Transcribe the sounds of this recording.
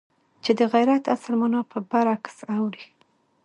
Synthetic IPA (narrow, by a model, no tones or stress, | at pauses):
t͡ʃed̪əɣajɾat̪a̰slmanɑpəbaɾɑksawɾi